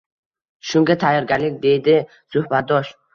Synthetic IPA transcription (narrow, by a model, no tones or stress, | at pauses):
ʃʊŋɡʲat̪ʰajɒɾɡʲaɾlɪkʲd̪e̞jd̪ɪ | sʊhbat̪̚d̪ɒʃ